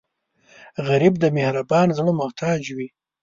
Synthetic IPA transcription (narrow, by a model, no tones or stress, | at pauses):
ɣaɾib̚d̪əmehɾabɑːnzɽomʊht̪ʰɑːd͡ʒwi